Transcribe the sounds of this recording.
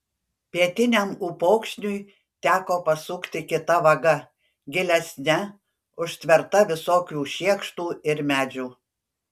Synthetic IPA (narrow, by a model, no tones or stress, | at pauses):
pʲiɛt̪ʲɪnʲɛmuːpɔʊkʃʲnʲʊɪ | t̪ʲæːkoːpɐsʊkt̪ʲɪkʲɪt̪ɐʋɐɡɐ | ɡʲɪlʲɛsʲnʲɛ | ʊʃʲt̪ʲʋʲɛɾt̪ɐʋʲɪsoːkʲuːʃʲiɛkʃt̪uːɪɾmʲæːd͡ʒʲuː